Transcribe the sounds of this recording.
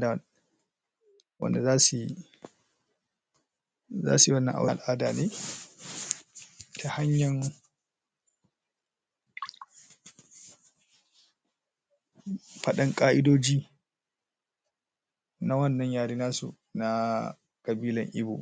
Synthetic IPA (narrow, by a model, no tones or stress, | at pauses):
da | wa̰ndɛzaːsi | za̰ːsiwanːa̰ʔa̰walʔaːdanɛ | tʰahaɲːan | paɗaŋkʼaːʔidoːd͡ʒi | nawɐnːɐɲjaːɾinaːsṵ | na | kabiːlaŋʔḭbṵ